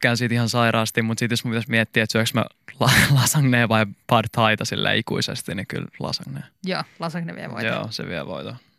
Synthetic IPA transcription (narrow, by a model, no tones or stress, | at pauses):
kænsiːt̪ihɑnsɑiɾɑːst̪imut̪sit̪josmumpit̪æsmiɛt̪ːiːet̪syøksmæ̰ | lɑlɑsɑŋneːʋɑipɑdt̪ʰɑit̪ɑsilːæ̰ikṵisḛst̪iniky̰llɑ̰sɑŋneːjoːlɑsɑŋneʋiḛʋo̰jo̰ːsḛʋiɛʋo̰it̪o